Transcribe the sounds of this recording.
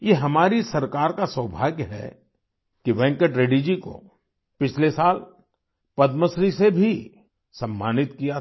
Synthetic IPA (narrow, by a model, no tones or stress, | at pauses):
jeɦɐmaːɾisɐɾkaːɾkaswɐbʱa̰ːɡɦɛ̰ | kiʋɛ̃ːŋkəʈɾeɖid͡ʒiko̰ | pɪt͡ʃʰlesaːl | pɐd̪məsɾisebʱi | sɐ̃mːaːnɪt̪kija